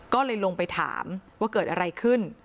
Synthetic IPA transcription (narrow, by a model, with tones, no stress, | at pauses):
kɔː˥˩lɤː˧jlo˧ŋpa˧jt̪ʰa̰ː˩˦mwaː˥˩kɤː˨˩t̪̚ʔa˧ɾa˧jkʰɯ˥˩n